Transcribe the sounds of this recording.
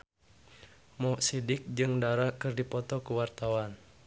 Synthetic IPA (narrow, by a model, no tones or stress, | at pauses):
mɔʔsidɪk̚d͡ʒɨŋdaɾakɨrdipɔt̪ɔkuwart̪awan